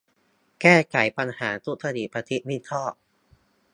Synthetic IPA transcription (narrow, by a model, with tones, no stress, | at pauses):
kɛː˥˩kʰa˩˦jpa˧nhaː˩˦t̪u˦˥t̪ʰa˧di˨˩pa˧t̪ʰi˦˥t̪̚mi˥˩t̪ʰɔː˥˩ʔ̚